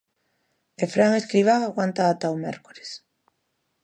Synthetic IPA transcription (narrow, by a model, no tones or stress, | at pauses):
efɾaŋeskɾiβ̞aaɣwant̪aːt̪awmɛ̰ɾko̥ɾe̥s